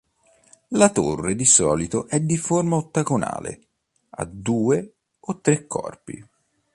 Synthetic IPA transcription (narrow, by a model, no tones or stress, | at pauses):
lat̪orːed̪isɔːlit̪oʔɛd̪ːiformaot̪ːaɡona̰ːlḛ | a̰d̪uːe | ot̪ːɾekʰːɔ̰rpḭ